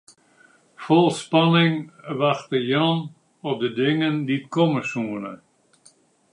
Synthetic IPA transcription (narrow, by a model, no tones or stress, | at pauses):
fɔlˠspɑnɪŋʋaxtəjɑn | ɔp̚dədɪŋənditkɔməsuənə